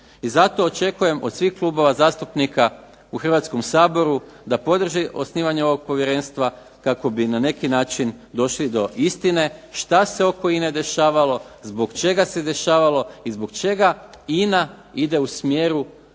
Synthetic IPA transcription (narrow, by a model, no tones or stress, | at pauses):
izat̪o̞ːt͡ʃe̞kuje̞mʔo̞d̪sʋixklˠubo̞ʋazaːst̪upnika | uxr̩ʋat̪sko̞msaːbo̞ɾud̪apo̞d̪r̩ʒiʔo̞sniːʋaɲeo̞ʋo̞ɡ̚po̞ʋje̞ɾe̞nst̪ʋa | kako̞binane̞kinaːt͡ʃin | d̪o̞ʃlid̪o̞ʔist̪ine̞ʃt̪ase̞o̞ko̞ine̞d̪e̞ʃaːʋalo̞zbo̞ɡt͡ʃe̞ɡase̞d̪e̞ʃaːʋalo̞izbo̞ɡt͡ʃe̞ɡainaid̪e̞usmjeːɾu